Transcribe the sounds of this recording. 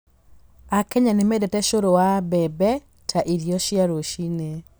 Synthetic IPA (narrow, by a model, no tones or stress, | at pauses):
akɛɲanemɛdɛtɛʃoɾowabɛbɛ | tʰaʔiɾjɔʃjaɾoʃine